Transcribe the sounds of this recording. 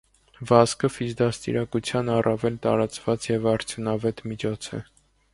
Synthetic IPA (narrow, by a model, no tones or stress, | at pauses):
vɑskʰəfizd̪ɑst̪ḭɾɑkut͡sʰjɑnɑrʔɑvɛlt̪ɑɾɑt͡svɑt͡sjɛvɑɾt͡sʰjunɑvɛt̪mit͡ʃʰɔt͡sʰɛ̰